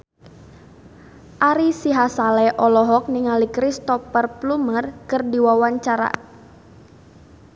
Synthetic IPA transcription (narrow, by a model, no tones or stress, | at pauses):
ʔaɾisiɦasalɛʔɔlɔɦɔk̚niŋalikɾist̪ɔpərplumərkɨrdiwawaɲt͡ʃaɾa̰